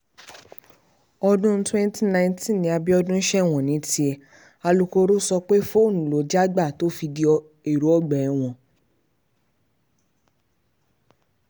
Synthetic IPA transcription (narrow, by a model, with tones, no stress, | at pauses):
ɔ˧dũ˦twɛ̃˦n˦tʰi˦nã˧ĩ˦tĩ˦˨nĩ˧a˧bi˦ɔ˧dũ˦ʃɛ˦˨w̃ɔ̃˨nĩ˨˦ti˧˦ɛ˧ | a˧lu˧ko˧ɾo˦sɔ˧k͡pe˦fo˦˨nũ˨lo˨˦d͡ʒa˦ɡ͡ba˦˨to˦fi˧di˦ɔ˧ | e˨ɾo˨˦ɔ˦˨ɡ͡bɛ˨˧w̃ɔ̃˧